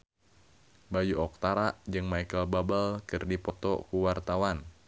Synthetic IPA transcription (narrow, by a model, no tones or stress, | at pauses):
bajuɔk̚t̪aɾaʔd͡ʒɨŋmaikəlbabəlkɨrdipɔt̪ɔ̰kuwart̪awan